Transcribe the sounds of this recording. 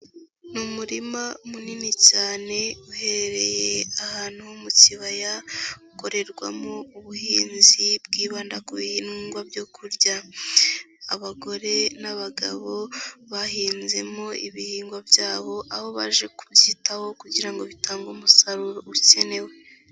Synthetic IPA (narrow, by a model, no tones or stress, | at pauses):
numuɾimaumuninicaːne̞uhe̞ɾeɾe̞jeahaːn̥uhomuciβajauko̞ɾe̞ɾɡwa̰mouβuhiːnzibɡiːβaːndakuβihiːnŋɡwabjokʰuɾɟa | aβaɡo̞ɾe̞naβaɡa̰βo̞βahiːnze̞mo̞iβihiːŋɡwabjaːβo̞ʔaho̞βa̰ʒe̞kubjiːtaho̞kuɟiɾaŋɡo̞βitaːŋɡumusaɾuɾouce̞ne̞we̞